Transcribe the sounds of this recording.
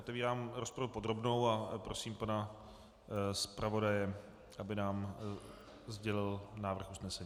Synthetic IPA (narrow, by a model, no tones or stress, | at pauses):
ʔot̪ɛviːɾaːmɾospɾavupo̞d̪ɾo̞bno̞wapɾo̞siːmpana | spɾʔavo̞dajɛ | ʔabɪnaːm | zɟɛlɪlnaːvr̩xusnɛsɛɲiː